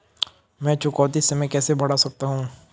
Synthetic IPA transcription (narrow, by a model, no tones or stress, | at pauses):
mɛ̃ːt͡ʃʊkɔːt̪isemɛ̃kɛːsebɐɽasɐk̚t̪aɦũː